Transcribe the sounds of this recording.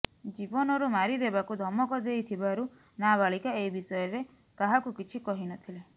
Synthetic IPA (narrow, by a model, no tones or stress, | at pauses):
d͡ʒibɔnɔɾumaɾid̪ebakud̪ʱɔmɔkɔd̪ejt̪ʰibaɾu | nabaɭikaeibisɔjɔɾe | kaɦakukit͡ʃʰikɔɦinɔt̪ʰile